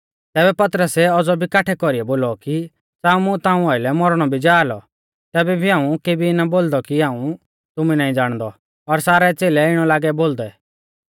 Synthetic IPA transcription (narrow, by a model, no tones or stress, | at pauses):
t̪ɛːbɛpɐt̪ɾəsɛɔd͡zɔbʱikaːʈʰɛkɔɾiɛboːlɔki | saːũmʊ̃t̪ãːũaɪlɛmɔɾɽ̃ɔbʱid͡ʒaːlɔ | t̪ɛːbɛbʱiɦãːũkeːbinaboːld̪ɔkiɦãːũ | t̪ʊminaːĩd͡zaːɽ̃d̪ɔ | ɔɾsaːɾɛt͡seːlɛɪɽ̃ɔlaːɡɛboːld̪ɛ